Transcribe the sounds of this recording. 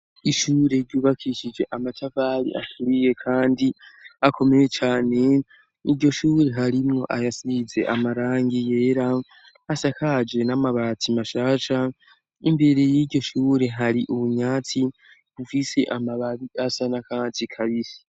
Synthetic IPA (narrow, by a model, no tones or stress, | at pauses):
iʃuːɾe̞ɾɟuːβakʰiʃid͡ʒe̞ʔamatʰavaːɾḭʔa̰tʰuɾije̞kʰaːndiakʰo̞meje̞t͡ʃaːne̞ | iɟo̞ʃuːɾe̞ɦaɾimŋo̞̰ʔajasize̞̰ʔamaɾaːŋɡije̞ːɾaː | sakʰad͡ʒe̞namaβaːtʰimaʃaːʃa | imbe̞ɾe̞jiɟɟo̞ʃuːɾe̞ɦaɾiʔuβuɲaːt͡si | βufise̞ʔamaβaβiʔasanakaːt͡sikʰaβiɾi̥